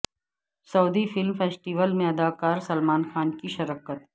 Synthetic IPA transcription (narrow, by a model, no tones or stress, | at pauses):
sɐːd̪ifɪlmfeːsʈiʋəlmẽɐd̪aːkaːɾsɐlmaːnxaːnkiʃɐɾəkət̪